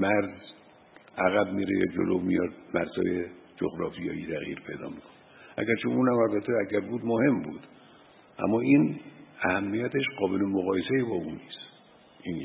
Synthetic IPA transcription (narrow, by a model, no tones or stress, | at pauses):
mæɾz | æɣæbmiːɾejɒ̰ːd͡ʒo̰lomijɒd̪̚mæɾzɒ̰ːjed͡ʒo̰ɣɾɒːfijɒ̰ːjiːt̪ʰæɣjḭːɾpʰe̞jd̪ɒ̰ːmikʰoneʔæ̰ɡæɾt͡ʃʰouːnæmælbæt̪ʰːeæɡæɾbuːd̪mohe̞mbuːd̪̥ | ʔæ̰mːɒːiːnæhæmːijæt̪ʰeʃɢɒːbelemoɣɒːjeseibɒːuːniːs | iːn